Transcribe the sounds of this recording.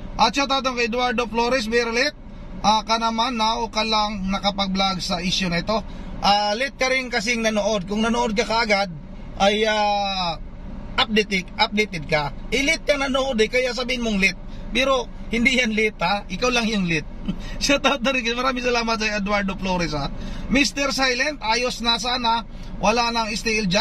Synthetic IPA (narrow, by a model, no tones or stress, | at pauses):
ʔɐt̪̚sat̪aːt̪ɐŋkɐjʔɛd̪waɹd̪ofloːɾɛs̬mɛɾolɪt̪̚ | ʔakɐnɐmanːaokɐlaŋnɐkɐpɐɡ̚blaɡsɐʔiʃjonɐɪt̪o̞ʔaːlɪt̪̚kɐɾɪnkɐs̬ɪŋnɐnoʔod̪̚kʊŋnɐnoʔod̪̚kɐkɐʔɐɡad̪̚ | ʔɐja | ʔɐp̚d̪ɛt̪ɪkʔɐp̚d̪ejt̪ɛd̪̚kɐʔɪlɪt̪̚kɐnɐnoʔod̪ɛkɐjas̬ɐbiːhɪnmoŋlɪt̪̚ | pɛːɾo̞ | hɪnd̪ijanlit̪aʔɪkawlɐŋjʊŋlɪt̪̚sɪat̪at̪ɐɾikɐmɐɾaːmɪŋsɐlaːmɐt̪̚sɐɛd̪waɹd̪ofloɾɪsamist̪ɛɾsajlɛnt̪aːjosnɐsaːnɐ | wʔɐlanɐŋɪst̪ɛʔɪld͡ʒa